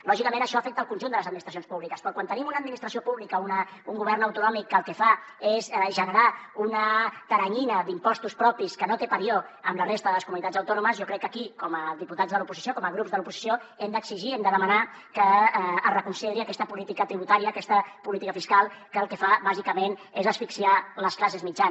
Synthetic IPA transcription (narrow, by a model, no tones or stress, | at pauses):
lɔʒikəmenəʃɔəfɛk̚t̪əlˠkunʲʒund̪ələzəd̪minist̪ɾəsjonspuβlikəspɾɔkwant̪ənimunəd̪minist̪ɾəs̬iopuβlikəunəuŋɡuβ̞ɛrnəwt̪unɔmikːəːlˠkɛfaezʒənəɾaunət̪əɾəɲinəd̪impɔst̪uspɾɔpiskənot̪epəɾioəmlərest̪əðələskumunit̪add͡zəwt̪ɔnuməzjɔkɾɛkːəkikɔməðiput̪azðəlupuzisiokɔməɣ̞ɾupzðəlupuzi̥sioɛmd̪əksiʒiɛmd̪əðəməna | kərəkunseðɾiɐkɛst̪əpulit̪ikət̪ɾiβut̪aɾiəːkɛst̪əpulit̪ikəfiskalˠkəːlˠkəfaβazikəmenezəsfiksialəsklas̬ezmid͡ʒa